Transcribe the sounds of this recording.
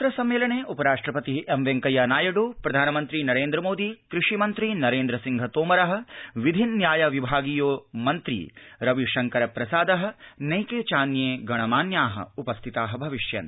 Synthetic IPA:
t̪ɾɐsɐmːeːlɐɳeːʔupɐɾaːʂʈɾɐpɐt̪iemʋeŋkɐjaːnaːjɐɽuːpɾɐd̪ʱaːnɐmɐnt̪ɾinɐɾeːnd̪ɾɐmoːd̪ikɾiʂimɐnt̪ɾinɐɾeːnd̪ɾɐsiŋɡʱɐt̪oːmɐɾɐɦɐ̆ʋid̪ʱinːjaːjɐʋibʱaːɡijoːmɐnt̪ɾḭɾɐʋiʃɐŋkɐɾɐpɾɐsaːd̪ɐɦɐ̆nɐjkeːt͡ʃaːnjeːɡɐɳ̃ɐmaːnjaːɦɐ̰upɐst̪ʰit̪aːɦɐbʱɐʋiʂjɐ̰n

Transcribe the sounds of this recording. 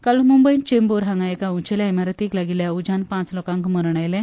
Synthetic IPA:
kalumumbəjint͡ɕemboɾɦãŋɡajekaut͡ɕeljaemaɾət̪iklaɡiljaud͡ʑanpãt͡slokãŋkməɾɳajle

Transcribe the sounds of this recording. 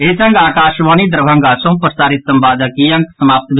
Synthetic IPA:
esɐŋɡaːkaːʃʋaːnid̪ɾəbʱɐŋɡasõm̃pɾsaːɾit̪səmbaːd̪əkijɐŋksəmaːp̚t̪bʱ

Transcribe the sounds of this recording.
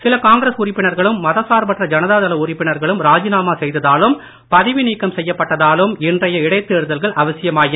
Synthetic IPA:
sɪlɐkaːŋɡɪɾɐsʊɾɪpːɪɳɐɾɣɐɭɯmːɐðɐsaːɾbɐʈrɐd͡ʒɐnɐðaːðɐlɐʊrɪpːɪɳɐɾɣɐɭɯmɾaːd͡ʒɪnaːmaːsɛjðɐðaːlɯm | pɐðɪʋɪniːkːɐmsɛjːɐpːɐʈːɐðaːlɯmɪndrɐjɐɪɽɐɪt̪ːeːɾɯðɐlɣɐɭʔɐʋɐsɪjɐmaːjɪ

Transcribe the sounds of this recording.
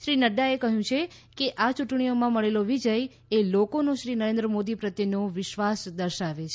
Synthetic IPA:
ʃɾinəɖaekəɦjũt͡ʃʰe | keʔat͡ʃuʈɳ̃iomãməɭeloʋid͡ʒəj | elokonoʃɾinəɾẽnd̪ɾəmod̪ipɾət̪ːenoʋɪʃʋasd̪əɾʃaʋet͡ʃʰ

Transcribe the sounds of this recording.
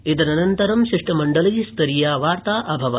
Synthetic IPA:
it̪ɐnɐnɐnt̪ɐɾɐmʃiʂʈɐmɐɳɖɐlɐjst̪ɐɾijaːʋaːɾt̪aːʔɐbʱɐʋɐ

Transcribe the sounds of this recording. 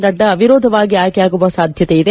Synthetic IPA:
nɐɖːɐɐʋiɾoːd̪ʱɐʋaːɡiaːjkɛjaːɡuʋɐsaːd̪ʱjɐt̪eid̪e

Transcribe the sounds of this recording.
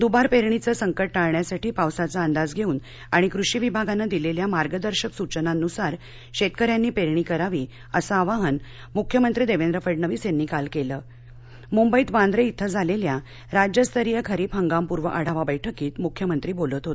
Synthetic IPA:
d̪ubaɾpeɾɳ̃it͡səːsəŋkəʈ̚ʈaɭɳjasaʈiːpawsat͡saənd̪ad͡zɡʱeuːn | aɽ̃ikɾuɕiːʋibʱaɡanːad̪ileljamaɾɡəd̪əɾɕəksut͡ɕənanːusaɾ | ɕet̪̚kəɾjanːiːpeɾɳikəɾaʋiː | əsaːʋaɦən | mukʰjəmənt̪ɾiːd̪eʋend̪ɾəfəʈnəʋiːsenːiːkalkeləː | mumbəiːt̪ʋãnd̪ɾeit̪ʰːəd͡zʱalelja | ɾad͡ʑjəst̪ʰəɾijəkʰəɾiːpɦəŋɡampuɾʋəʔaɽ̤aʋabəjʈʰəkiːt̪mukʰjəmənt̪ɾiːbolət̪ɦot̪

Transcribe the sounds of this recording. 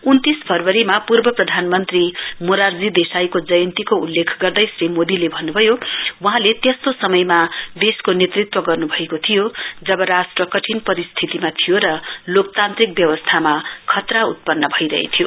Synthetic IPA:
unt̪isbʱʌrbʌɾimapurbʌprʌd̪ʱanmʌnt̪rimoɾard͡zid̪esajkod͡zʌjʌnt̪ikoulːekʰɡʌrd̪ʌjsrimod̪ilebʱʌnːubʱʌjowʌɦãlet̪est̪osʌmʌjmad̪eskonet̪rit̪wʌɡʌrnubʱʌekot̪ʰijod͡zʌbʌɾasʈrʌkʌʈʰinpʌɾist̪ʰit̪imat̪ʰijoɾʌlok̚t̪ant̪rik̚bjʌwʌst̪ʰamakʰʌt̪raṵt̪̚pʌnːʌbʱʌiɾʌ̰ɦḛt̪ʰijo

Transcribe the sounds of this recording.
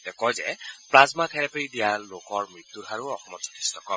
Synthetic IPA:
tɛkɔjzɛplazmatʰɛɹɛpeɹidijalokɔɹmɹit̪ːuɹaɹuɔxɔmɔsɔ̥tʰi̥stʰɔkɔ

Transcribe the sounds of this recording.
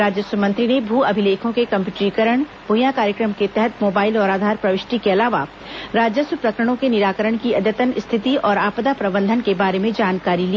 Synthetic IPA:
ɾaːd͡ʒjəsəmɐ̃nt̪ɾinebʱuːɐbʱɪleːkʰõkekɐ̃mpjuːʈɾikəɾəɽ̃ | b̥ʱʊjãkaːɾjəkɾəmket̪ɛɦɛt̪moːbaːɪlɔːɾaːd̪ʱaːɾpɾɐʋɪʃʈikeɐlaːʋa | ɾaːd͡ʒjəsəpɾɐkɾəɽ̃õkenɪɾaːkəɾəɽ̃kiɐd̪jət̪ənst̪ʰɪt̪iʔɔːɾaːpd̪apɾɐbə̃nd̪ʱənkebaːɾemẽd͡ʒaːnkaːɾili

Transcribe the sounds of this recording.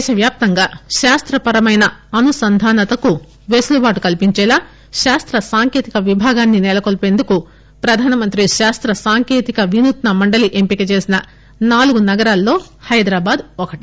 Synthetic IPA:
ʃɐʋjaːp̚t̪ɐŋɡaːʃaːst̪ɾɐpɐɾɐmɐjnɐɐnusɐnd̪ʱaːnɐt̪ɐku | ʋesulubaːʈukɐlpiɲt͡ʃɛːlaː | ʃaːst̪ɾɐsaːŋke̞ːt̪ikɐʋibʱaːɡaːnːinɛlɐkolpe̞ːnd̪uku | pɾɐd̪ʱaːnɐmɐnt̪ɾiʃaːst̪ɾɐsaːŋkeːt̪ikɐʋinut̪nɐmɐɳɖɐliʔempikit͡ʃe̞ːsinɐ | naːluɡunɐɡɐɾaːlːo̞ːhɐjd̪ɾaːbaːd̪ɔkɐʈi

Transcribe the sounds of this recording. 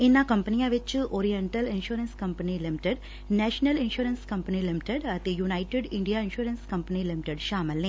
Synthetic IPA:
inːãːkɐmpɐnijaːʋɐt͡ʃːɨʔoːɾijɐɳʈɐlɪnʂuɾɐnskɐmpɐnilɪmɪʈɐɖ | neːʂɐnɐlɪnʃuːɾɐnskɐmpɐnilɪmɪʈɐɖɐt̪ijunɐɪʈeɖɪɳɖijaːɪnʂuːɾɐnskɐmpɐnilɪmɪʈɐɖʃaːmɐlːĩ

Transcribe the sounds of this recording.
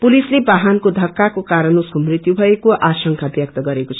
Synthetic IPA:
pulislebaɦankod̪ʱʌkːakokaɾʌnosʌmrit̪jubʱʌekoʔasʌŋkʰabjʌk̚t̪ʌɡʌɾekot͡sʰʌ

